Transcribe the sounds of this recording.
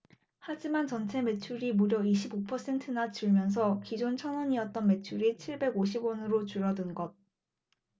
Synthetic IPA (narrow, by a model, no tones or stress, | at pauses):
had͡ʑimant͡ɕʌnt͡ɕʰe̞me̞t͡ɕʰuɾimuɾjʌiɕʰibopʰʌs͈ʰe̞ntʰɯnat͡ɕɯɭmjʌns̬ʰʌkid͡ʑont͡ɕʰʌnʌɲiʌt̚t͈ʌnme̞t͡ɕʰuɾit͡ɕʰiɭbe̞ɡoɕʰibwʌnɯɾot͡ɕuɾʌdɯnɡʌd̚